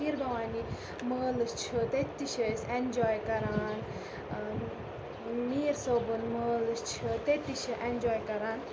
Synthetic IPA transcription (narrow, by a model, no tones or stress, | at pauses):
iɾbɐʋaːni | məːlɨst͡ʃʰɨt̪et̪ːiʃʰɐsend͡ʒɔːjkɐɾaːn | miːɾsoːbɨnməːlɨst͡ʃʰɨt̪et̪ːiʃʰɨʔend͡ʒɔːjkɐɾaːn